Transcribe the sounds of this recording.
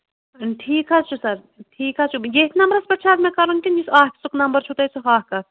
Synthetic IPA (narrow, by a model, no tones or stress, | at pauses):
ʈʰiːkɦaːt͡ʃʰusɐɾ | ʈʰiːkɦaːt͡ʃʰujeːt̪ʰnɐmbɾɐsbɐʈːʃʰaːzmẽkɐɾunk̪iisaːɦkʲsuknɐmbəɾt͡ʃʰut̪ɐt͡sʰuɦaːɦkɐ